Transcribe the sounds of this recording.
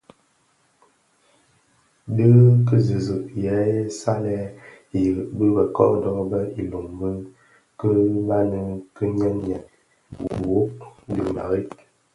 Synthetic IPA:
də˦kə˦zi˨zɨ˨ʔjɛ˨˦sa˦lɛ˦ | i˨bə˦bə˨kɔ̰˦ʔdɔ˦bə˦i˨lo˨ŋbə˦n | kə˦ba˦nə˦kə˦ɲɛ˦nɲɛ˨ʔ | wo˦dḭ˨ʔma̰˨ɣi˦t̚

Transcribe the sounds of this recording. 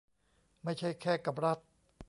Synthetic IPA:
ma˥˩jt͡ɕʰa˥˩jkʰɛː˥˩ka˨˩p̚ɾa˦˥t̪̚

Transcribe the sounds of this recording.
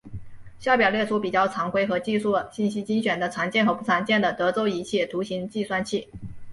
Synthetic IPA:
ɕjɑ˥˩ʊp̬jɑ˨˩ʊljɛ˥˩ʈ͡ʂʰu˥pi˨˩t͡ɕjɑ˥˩ʊt͡sʰɑ˧˥ŋkwe˥ɪxɤ˧˥t͡ɕi˥˧ʂu˥˩ɕi˥˩nɕi˥t͡ɕi˥ŋɕɥɛ˨˩nd̪ə˦t͡sʰɑ˧˥ŋt͡ɕjɛ˥˩nxɤ˧˥pu˥˩t͡sʰɑ˧˥ŋt͡ɕjɛ˥˩nd̪ə˩t̪ɤ˧˥t͡so˥ʊi˧˥t͡ɕʰɛ˥˩t̪ʰu˧˥ɕi˧˥ŋt͡ɕi˥˧swa˥˧nt͡ɕʰi˥˩

